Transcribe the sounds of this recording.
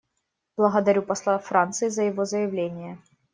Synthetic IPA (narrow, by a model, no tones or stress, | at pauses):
b̥lˠəɣəd̪ɐɾʲupɐslˠafɾant̪sɨjɪzəjɪvo̞zəjɪvlʲenʲɪjə